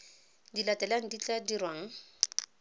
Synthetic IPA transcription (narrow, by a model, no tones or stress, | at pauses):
dilatʼɛlaŋ̩dit͡ɬʼadirwaŋ̩